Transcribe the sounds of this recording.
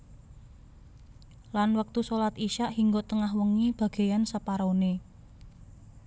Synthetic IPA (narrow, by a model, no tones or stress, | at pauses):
lanwək̚t̪usolat̪iʃaʔhiŋɡot̪əŋahwəŋib̥ä̤ɡ̥e̤jansəpaɾone